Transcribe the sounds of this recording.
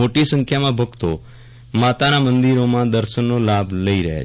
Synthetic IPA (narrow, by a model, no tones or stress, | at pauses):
oʈisə̃ŋkʰjamãbʱəɡt̪o | mat̪anamənd̪iɾomãd̪əɾʃənːolabʱləiɾəɦja̰